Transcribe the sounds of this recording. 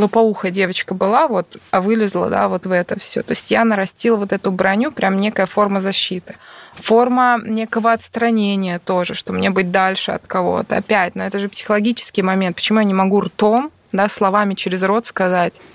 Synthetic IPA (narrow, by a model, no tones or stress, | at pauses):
əpɐuxədʲe̞vət͡ɕkəbɨlˠavo̞t̪ɐvɨlʲɪzlˠə̰d̪a̰vo̞t̪vɛt̪əfsʲo̞̰t̪o̞ɪsʲtʲjanəɾɐsʲtʲilˠəvo̞t̪ɛt̪ʊbɾɐnʲupɾʲamnʲe̞kəjəfo̞rməzɐɕːit̪ɨ̥fo̞rmənʲe̞kəvəɐt̪st̪ɾɐnʲenʲɪjət̪oʐɨʂt̪omnʲebɨt̚ʲd̪alʲʂɨɐ̰t̪kɐvo̞̰t̪ə̰ɐ̰pʲætʲno̞ɛt̪əʐɨpsʲɪ̥xəlˠɐɡʲit͡ɕɪ̥skʲɪjmɐmʲent̪̚pə̥t͡ɕɪmujanʲɪmɐɡurt̪om | d̪aslˠɐvamʲɪt͡ɕɪɾʲɪzro̞t̪skɐzatʲ